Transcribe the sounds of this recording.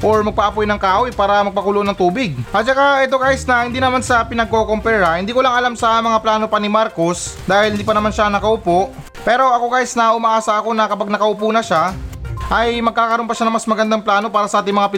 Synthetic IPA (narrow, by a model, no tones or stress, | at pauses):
ʔo̞ɹmɐɡ̚pɐʔɐpojnɐŋkaːʔojpaːɾɐmɐɡ̚pɐkulonɐŋt̪uːbɪɡ̚ʔɐt̪̚t͡ʃɐkaʔɛt̪o̞ɡaːjɪsnɐhɪnd̪inɐmansɐpɪnɐɡ̚ko̞kompɛɾɐhɪnd̪iːkolɐŋɐlamsɐmɐŋaplaːno̞pɐnɪmaɾko̞sd̪aːhɪlhɪnd̪iːpɐnɐmanʃanɐkɐʔʊpo̞ʔ | pɛːɾo̞ʔɐko̞ɡaːjɪsnɐʔʊmɐʔaːsɐʔɐko̞nɐkɐpaɡ̚nɐkɐʔʊpuːnɐʃaʔɐjmɐɡ̚kaːkɐɾo̞npɐʃanɐŋmɐsmɐɡɐnd̪aŋplaːno̞paːɾɐsɐʔaːt̪ɪŋmɐŋapɪ